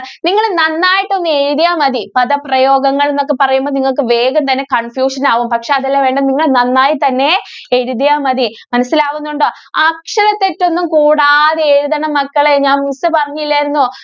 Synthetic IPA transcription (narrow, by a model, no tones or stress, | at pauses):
niŋːɐɭnɐnːaːjiʈːo̞nːɨe̞ɻuðijaːmɐðipɐðɐprɐjoːɡɐŋːɐɭenːo̞kːepɐrɐjumboːniŋːɐɭk̬ɨʋe̞ːɡɐmt̪ɐnːe̞kɐɳfjuːʂɐnaːʋumpɐkʂe̞ɐðɐlːaʋe̞ːɳɖɐmniŋːɐɭnɐnːaːjit̪ɐnːe̞eɻuðijaːmɐðimɐnɐsːilaːʋunːuɳɖo | aːkʂɐɾɐt̪ːetːo̞nːumkuːɽaðeɻuðɐɳɐmːɐkːɐɭeɲaːnmisɐpɐrɐɲːilːaːjɾunːu